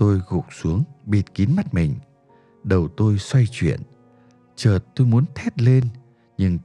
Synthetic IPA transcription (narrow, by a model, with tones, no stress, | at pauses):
t̪o˧jɣʊ̰˨˩k͡p̚su˨˦əŋɓi˨˩t̚ki˨˦nma˦˥t̚mï˨˩ŋ̟ | ɗə˨˩wt̪o˧jswa˧jt͡ɕwḭ˧˨ən | t͡ɕəː˨˩t̚t̪o˧jmu˨˦ənt̪ʰɛ˦˥t̚le˧n | ɲɨ˧ŋ